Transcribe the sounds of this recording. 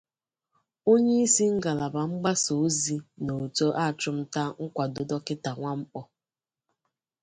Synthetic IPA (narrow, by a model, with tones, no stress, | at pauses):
o˦ɲe˦i˦si˦ŋ̩˦ɡa˨la˨ba˨ŋ͡m̩˦ɡ͡ba˦so˨˦zi˦no˨to˦ʔa˦˨t͡ʃʊ˦m̩˦ta˦ŋ̩˦kʷa˨do˨dɔ˦kɪ˦ta˨ŋʷa˦m̩˦k͡pɔ˦